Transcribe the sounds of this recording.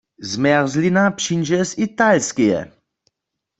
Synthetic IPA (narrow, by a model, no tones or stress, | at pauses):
zmɛʁzlinapɕind͡ʒɛsit̪alskijɛ̰